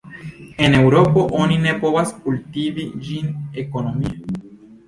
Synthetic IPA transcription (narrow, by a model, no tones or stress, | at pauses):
e̞ne̞wɾo̞po̞ʔonine̞povaskult̪ivid͡ʒineko̞no̞mia